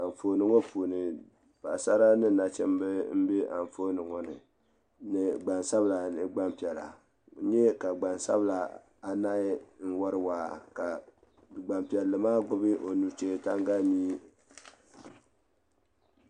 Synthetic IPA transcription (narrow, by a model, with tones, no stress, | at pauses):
a˨ɱ˨fo˨nɨ˦ŋɔ˦puː˨nɨ˨ | pa˨sa˦ɾa˦nɨ˦˨na˨t͡ʃɛ̰˦mbɛ˦m̩˦be˦ʔa˨ɱ˨fo˦nɨ˨ŋɔ˦nɨ˨ | nɨ˨ɡ͡ba˨nsa˦bla˨nɨ˨ɡ͡ba˦mpi˨ɛ˨la̰˨ | ɲɛ˦ka˨ɡ͡ba˨nsa̰˦bɨ˦la˨ | a˨na˦ɪ˦n̩˦wa˦ɾɨ˦waː˨ka˨ | ɡ͡ba˨mpi˨ɛ˨lːɨ˨maː˦ɡʊ˦bɨ˦ʔo˨nu˨t͡ʃe˦˨ta˦ŋɡa˦miː˦